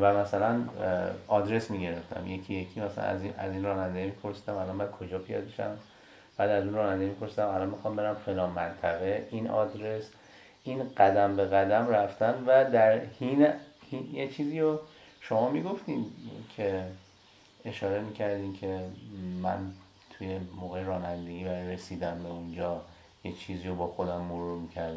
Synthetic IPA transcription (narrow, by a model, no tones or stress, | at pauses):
væmæsælæn | ɒːd̪ɾe̞smiːɟe̞ɾe̞ft̪ʰæ̰mjecʰijecʰiːmæsælæ̰næ̰ziæ̰ziːnrɒːnænd̪emiːpʰo̞ɾsiːd̪æmælɒnmæn̚kʰod͡ʒɒːpʰijɒ̰d̪̚beʃæ̰m | b̥æːd̪æzunrɒːnænd̪emipʰo̞ɾsiːd̪æmælɒnmixɒːmbe̞ɾæmfelɒːnmænt̪ʰæɣe̞ʔinɒ̰ːd̪ɾe̞s | inɢæd̪æmbe̞ɣæd̪æmɾæft̪ænvæd̪æɾhinhijet͡ʃʰiːziːɾo | ʃo̞mɒːmiːɡo̞ft̪iːncʲʰe̞ | e̞ʃɒːɾe̞miːcʰæɾd̪iːnkcʰe̞mæ̰n | t̪ʰuje̞moːɣejɾɒːnænd̪eɡibæɾjɾe̞siːd̪æmbe̞und͡ʒɒː | jet͡ʃʰiːziːɾobɒːxo̞d̪æmːoɾuɾmiːcʰæɾd̪æ